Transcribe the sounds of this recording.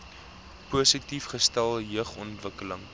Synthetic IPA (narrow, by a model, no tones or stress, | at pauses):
puəsitifχəstælˠɦjəχɔntvəkələŋ